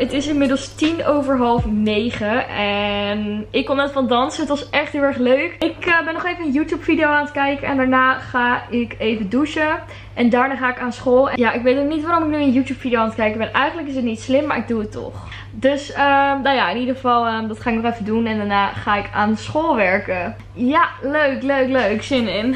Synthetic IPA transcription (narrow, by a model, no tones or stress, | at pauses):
ətɪsɪnmɪdəlˠstinowvəɹɦɑlˠfnejχəɛnɪkːɔnːɛtfɑndɑnsəɦətʋɑsʔɛχtɦɪlˠɛɹχløɥkɪkəbɛnɔχejvənənjutjupfidiowaːnətkɛjkəɛ̰ndaːɹnaːχaːɪkejvəduʃə | ʔɛndaːɹnaːχaːɪkaːnsχoːlˠɛjaʔɪkʋejtnoχnitʋaːɾɔmɪknyənjutjuːpfidioaːntkɛjkəbɛnʔɛjχəntləkɪs̬ətnitslɪmːaːɹʔɪɡ̚duətːɔ̰χ | døsəmnawjaɪnidəχəvɑlˠədɑtχaːɪknɔχɛfədunɛndaːɹnaːχaːɪkaːnsχolˠʋɛɹkə | jaløɥkløɥkløɥksɪnɪn